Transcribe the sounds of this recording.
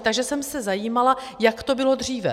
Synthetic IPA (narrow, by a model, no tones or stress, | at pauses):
t̪aɡʒɛsɛmsɛzajiːmala | jakt̪o̞bɪlo̞d̪r̝iːvɛ̰